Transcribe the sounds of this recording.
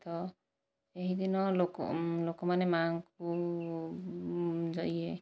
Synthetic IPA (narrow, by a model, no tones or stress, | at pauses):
t̪ɔ | eɦid̪inɔloklokɔmanɛmaŋku | d͡ʒɔie